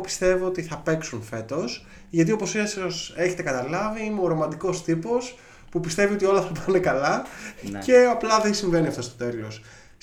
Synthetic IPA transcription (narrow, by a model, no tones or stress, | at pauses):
pi̥st̪e̞voot̪iθɐpe̞ksunfe̞t̪o̞s | ʝɐt̪io̞po̞sesose̞çe̞t̪e̞kɐt̪ɐlɐviimeoɾomɐnd̪iko̞st̪ipo̞s | pupist̪e̞vio̞t̪io̞lɐθɐpɐne̞kɐlɐce̞ɐplɐðensiɱve̞niɐft̪ost̪o̞̥t̪e̞lo̞s